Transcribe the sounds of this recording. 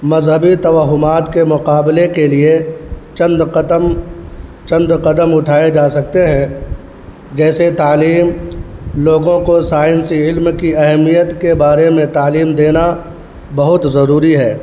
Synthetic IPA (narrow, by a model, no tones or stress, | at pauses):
mɐzɦəbit̪ɐʋəɦʊmaːt̪kemʊqaːblekeliet͡ʃɐ̃nd̪m | t͡ʃɐ̃nd̪qɐd̪əmʊʈʰaːed͡ʒaːsɐk̚t̪eɦɛ̃ | d͡ʒɛːset̪aːliːmloːɡõkosaːɪnsiɪlmkiɐɦɛmijət̪kebaːɾemẽt̪aːliːmd̪eːna | bɐɦʊt̪zɐɾuːɾiɦɛː